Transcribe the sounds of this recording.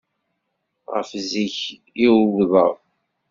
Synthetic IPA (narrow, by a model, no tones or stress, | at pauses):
ʁə̰fziç | iwððˤəðˤ